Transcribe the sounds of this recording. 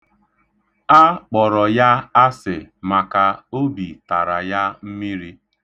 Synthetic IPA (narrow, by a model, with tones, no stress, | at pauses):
a˦k͡pɔ˨ɾɔ˨ja˦a˦sɪ˨ma˨ka˨o˦bi˨ta˨ɾa˨ja˦m̩˦mi˦ɾi˦